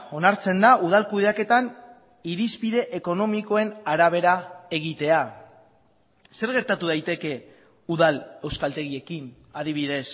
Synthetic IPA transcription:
o̞naɾt͡se̞nd̪aʔuð̞alkuð̞e̞ake̞t̪an | iɾispiðe̞ʔeko̞no̞miko̞e̞naɾaβ̞e̞ɾae̞ɣ̞it̪e̞a | se̞ɾɣe̞ɾt̪at̪uðajt̪e̞ke̞ | uðale̞wskalt̪e̞ɣie̞kin | aðiβ̞iðe̞s

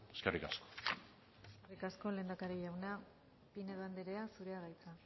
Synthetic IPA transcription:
eskerikasko̥ | eskerikasko̞le̞ːnd̪akaɾijawna | pine̞ðand̪eɾe̞asuɾe̞aɣajt͡sa

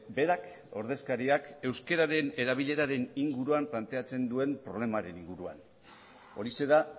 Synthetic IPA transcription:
be̞ɾak | o̞̰ɾðe̞skaɾiake̞wske̞ɾaɾe̞ne̞ɾaβiʎe̞ɾaɾe̞niŋɡuɾuamplant̪e̞at͡se̞nd̪ue̞mpɾo̞β̞le̞maɾe̞niŋɡuɾua̰n | o̞ɾise̞ða

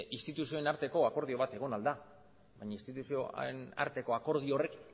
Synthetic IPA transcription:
ʔist̪it̪usio̞enaɾt̪e̞ko̞ako̞ɾðio̞β̞at̪e̞ɣ̞o̞nald̪a | βajɲaist̪it̪usio̞ḛna̰ɾt̪e̞ko̞ako̞ɾð̞io̞re̞k

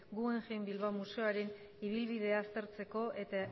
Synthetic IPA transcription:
ɡue̞ŋʝembilβamuseoaɾe̞n | iβ̞ilβiðe̞aːst̪e̞ɾt͡se̞ko̞ʔe̞t̪a

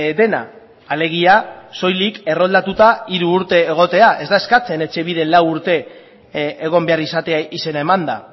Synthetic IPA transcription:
d̪e̞na̰ː | le̞ɣ̞iaso̞jlike̞ro̞ld̪at̪ut̪aiɾuːɾt̪e̞ːɣ̞o̞t̪e̞aʔe̞zd̪ae̞skat͡se̞ne̞t͡ʃe̞β̞ið̞e̞lawuɾt̪e̞ | eɣ̞o̞mbe̞arisat̪e̞aise̞nae̞mand̪a

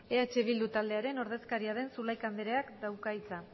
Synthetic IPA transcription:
e̞at͡ʃe̞β̞ild̪ut̪ald̪e̞aɾe̞no̞ɾð̞e̞skaɾiaðe̞nsulajkand̪eɾe̞akd̪awkait͡sa

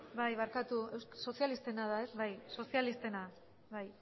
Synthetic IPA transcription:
bajβaɾkat̪ue̞wsso̞sijalist̪e̞naðae̞sβajso̞sialist̪e̞na | βaj

